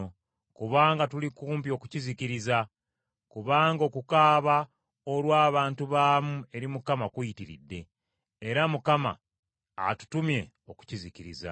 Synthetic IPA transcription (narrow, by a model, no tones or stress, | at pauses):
o | kuβaːŋɡatulikuːmpio̞ku̥ciziciɾiza | kuβaːŋɡo̞kukaːβa | olwaːβaːntuβaːmue̞ɾimukamakujitiɾḭdːe̞ː | ɾamukama̰ː | tu̥tumje̞ | o̞ku̥ciziciɾiza̰